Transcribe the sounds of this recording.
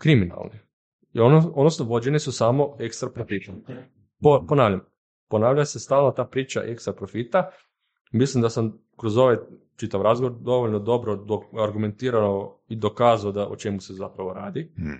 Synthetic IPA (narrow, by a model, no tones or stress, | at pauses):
kɾimina̰lˠni | onod̪nosnoʋo̞d͡ʒe̞nesusaːmo̞ekst̪ɾapɾofit̪om | poponaːʋʎam | po̞naːʋʎase̞st̪aːlˠnot̪aːpɾiːt͡ʃa̰ʔekst̪ɾapɾofit̪a | mislimd̪asam | kɾo̞zo̞ʋaj | t͡ʃit̪aʋɾazɡoʋoɾd̪o̞ʋoʎnod̪o̞bɾod̪oaɾɡume̞nt̪iːɾanoid̪o̞kaːzaod̪aʔot͡ʃe̞muse̞zapɾaʋo̞ɾaːd̪i